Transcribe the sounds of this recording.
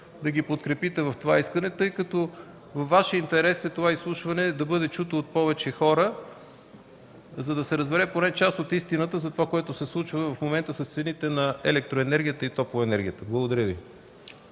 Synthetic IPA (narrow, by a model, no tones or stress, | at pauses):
d̪ɐɡʲipot̪kɾɛpit̪ɛvɐft̪ovaiskɐnɛt̪ɤjkət̪ɔ | vɐfːaʃjəint̪ɛɾɛsɛt̪ovaislˠuʃvɐnɛd̪ɐbɤd̪ɛt͡ʃut̪oːt̪̚pɔvɛt͡ʃɛxɔɾə | zɐd̪ɐsɛɾəzbɛɾɛponɛt͡ʃast̪ot̪ist̪inət̪əzɐt̪ovakoɛt̪ʊsɛslˠut͡ʃvəvɐfmomɛnt̪əsɐst̪sɛnit̪ɛnɐɛlɛk̚t̪ɾoɛnɛɾɡʲijət̪əit̪ɔpvˠoɛnɛɾɡʲijət̪əblˠəɡod̪ɐɾʲjɤvi